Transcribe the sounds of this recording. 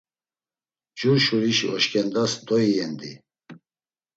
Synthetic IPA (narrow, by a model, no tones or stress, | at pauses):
d͡ʒuɾʃuɾiʃiɔʃkʼɛnd̪asd̪ɔiɛnd̪i